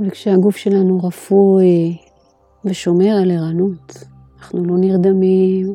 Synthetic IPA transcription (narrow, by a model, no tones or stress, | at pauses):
valkʃeaɡufʃe̞lanuʁafue | veʃo̞me̞aleʁanut̪ | anaχnulo̞niʁd̪amim